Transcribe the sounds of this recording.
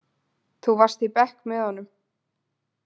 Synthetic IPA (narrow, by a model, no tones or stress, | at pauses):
θuvar̥st̪ipɛhkmɛðhanːʏm